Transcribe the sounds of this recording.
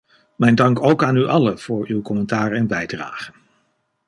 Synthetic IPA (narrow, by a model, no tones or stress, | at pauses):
mɛjndɑŋkowkaːnyʔɑləv̥ʊːɹywkɔmɛntaːrəɛnbɛjdra̰ːχən